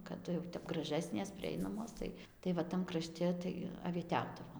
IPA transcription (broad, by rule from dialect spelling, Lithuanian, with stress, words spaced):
kɐˈdʊ jɛʊ ˈtʲɛp ɡrɐˈʒʲæːsʲnʲeːs pʲrʲɪˈɛɪnɐmoːs ˈtɐɪ tɐɪ ʋɐ ˈtɐm krɐˈʃʲtʲɛ tɐɪ ɐʋʲiɛˈtʲɛʊdɐʋoːm